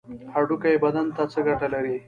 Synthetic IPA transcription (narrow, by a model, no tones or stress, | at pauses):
haɖukajebɐd̪ant̪at͡səɡaʈalaɾi